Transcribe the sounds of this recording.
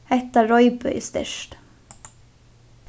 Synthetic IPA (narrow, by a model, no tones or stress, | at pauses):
ɛt̪əɾɔʏbœ̰ʏst̪ɪ̰ʃt̪